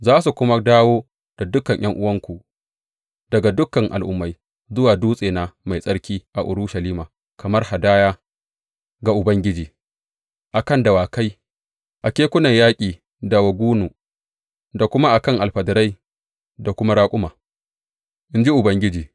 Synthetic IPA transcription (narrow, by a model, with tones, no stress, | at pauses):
zaː˦s̬u˨kʷʊ˦ma˦daː˦woː˦ | d̥a˨dʊ˦kɐ˨ɲj̰ʔɐ˦ŋʔʊ˦wɐ˦ŋkʷu˨ | dɐ˨ɡa˨dʊ˦kːɐ˨ŋʔa̰˨lʔʊ̰˦mːa˨˦j | zʊ˦waː˨duː˦sʼeː˨na˨ma˨jsʼɐ˦ɽkʲiː˦ʔa˨ʔʊ̰˨ɾʊ˦ʃɐ˨liː˦maː˨ | kɐ˨mɐ˦rha˨daː˦jaː˦ | ɡa˨ʔʊ˨bɐ˦ŋɡʲɪ˦d͡ʒiː˨ | ʔa˨kɐ˦˨ndɐ˨waː˨ka˦j | ʔa˨kʲeː˦kʷʊ˦nɐ˨ɲjaː˦kʲʼiː˨ | da˨wɐ˨ɡʷuː˦nuː˨ | da˨kʷʊ˦ma˦ʔa˨kɐ˦˨ŋʔa˨lɸɐ˨dɐ˨ɾa˦j | da˨kʷʊ˦ma˦ɽaː˦kʷʼʊ˦maː˨ | ʔɪ˦nd͡ʒi˦ʔʊ˨bɐ˦ŋɡʲɪ˦d͡ʒiː˨